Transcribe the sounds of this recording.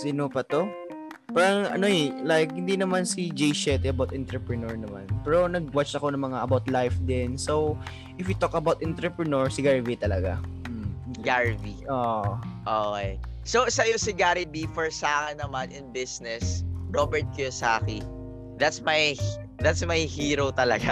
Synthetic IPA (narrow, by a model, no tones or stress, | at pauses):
sinopɐt̪o̞ | paːɾɐŋʔɐ̰no̞ɛlajk̚hɪnd̪inɐmansid͡ʒɛjʃɛt̪ɛʔɐbawt̪ʔɛnt̪ɾɛpɹɛnoɹnɐma̰npɛːɾo̞nɐɡ̚wat͡ʃɐko̞nɐŋmɐŋaʔɐbawt̪lajfd̪ɪnso | ʔɪfwjit̪okɐbawt̪ʔɛnt̪ɾɛpɹɛnoɹsɪɡaɹvit̪ɐlɐɡa̰ | ɡaɹvioʔoːkejsosɐjosɪɡaɾɪbifɔɹsaːkɛnːɐmanɪnbɪsnɛsɹobɛɹt̪̚kɛsaːki | d̪at̪smaj | d̪at̪smɐjhiːɾot̪ɐlɐɡa